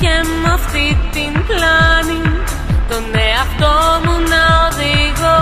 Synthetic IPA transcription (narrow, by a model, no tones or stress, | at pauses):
emɐft̪it̪implɐni | t̪o̞neɐft̪o̞munɐoðiɣo